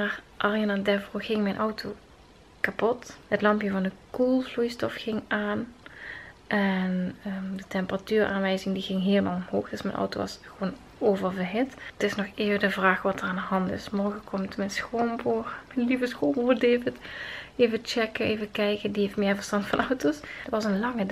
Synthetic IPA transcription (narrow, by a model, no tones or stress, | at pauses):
maːrʔɑrjanadɛvroɣɪŋmɛjnʔɔwtʰo | kapɔthətlɑmpjəvɑndəkulˠvlujstɔfxɪŋʔaːn | ʔɛnədətɛmpəratyːra̰ːnʋɛjzɪŋdiɣɪŋɦeːləma̰ːlˠɔmɦoːxd̥øsmɛjnʔɔ̰wto̰ːʋɑ̰sxəʋoːn | ovərbəɦɪttɪsnɔxɪːvədəvraːxʋɑtəraːndəɦɑntɪ̰smɔrɣəkʰɔmtmɛnsxoːmbormɛjnlivəsxoːmboːdeːvɪteːvət͡ʃɛkəeːvəkɛjkədiɦeftmɪːɹvərstɑntfɑnɔwtosdtʋɑsənlɑŋəd